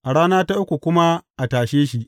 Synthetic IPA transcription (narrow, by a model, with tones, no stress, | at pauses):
ʔa˨ɽaː˦naː˦ta˦ʔʊ˦kʷu˨kʷʊ˦ma˦ʔa˨taː˨ʃeː˦ʃi˦ʔ